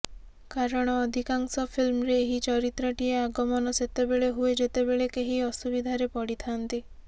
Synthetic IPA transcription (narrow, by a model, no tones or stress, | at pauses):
kaɾɔɽ̃ɔːd̪ʱikaŋsɔpʰilmɔɾeːɦit͡ʃɔɾit̪ɾɔʈieaɡɔmɔnɔset̪ebeɭeɦued͡ʒet̪ebeɭekeɦiɔsubid̪ʱaɾepɔɽit̪ʰant̪i